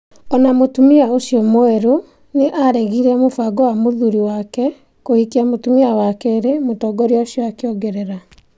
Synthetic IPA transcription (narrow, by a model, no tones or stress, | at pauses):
ɔnamotumiaoʃjɔmoɛɾo | neʔaɾɛɣiɾɛmofaɡɔwamoðuɾiwakɛ | kohikiamotumiawakɛɾemotɔːɡɔɾjaoɕjɔakeɔɡɛɾɛɾa